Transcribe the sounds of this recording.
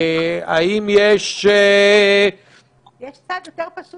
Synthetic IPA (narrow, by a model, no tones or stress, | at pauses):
a̰imjeʃ | jeʃt͡sad̪jot̪eʁpaʃu